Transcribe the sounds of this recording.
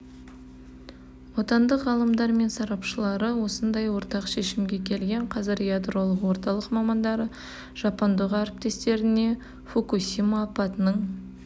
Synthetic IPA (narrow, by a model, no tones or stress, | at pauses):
wo̞t̪ɑnd̪əqʁɑlˠəmd̪ɑɾme̞nsɑɾɑpʃəlˠɑɾəwo̞sənd̪ɑjwo̞ɾt̪ɑqʃe̞ʃɪmɡʲe̞kʲʰe̞lɡʲe̞ɴqʰɑzɪɾjad̪ɾo̞lˠəqwo̞ɾt̪ɑlˠəqmɑmɑnd̪ɑɾə | ʒ̥ɑpond̪əʁaɾɪp̚t̪e̞st̪e̞ɾɪne̞ | fokusʲimaːpɑt̪ənəɴ